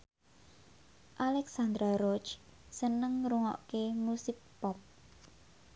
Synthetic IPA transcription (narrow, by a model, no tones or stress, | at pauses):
ʔalɛksand̪ɾaɾɔt͡ʃsənəŋɾuŋɔ̰ʔkemusɪpːɔp̚